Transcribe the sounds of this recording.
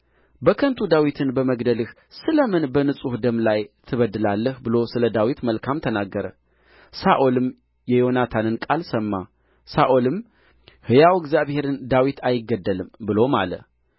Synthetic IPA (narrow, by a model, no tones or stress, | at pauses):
bəkʰənt̪ʰud̪awit̪ʰɨnbəməɡd̪əlɨh | sɨləmɨnbənɨsʼuhd̪əmlajt̪ʰɨβəd̪ːɨlalːəhbɨlo̞sɨləd̪awit̪məlkʰamt̪ʰənaɡːəɾə | saʔolɨm | jɛjo̞nat̪ʰanɨnkʼalsəmːa | saʔolɨm | hɨjawɛɡzʲjaβhe̞ɾɨnd̪awit̪ʰajɪɡːəd̪ːəlɨmbɨlo̞ma̰lə̰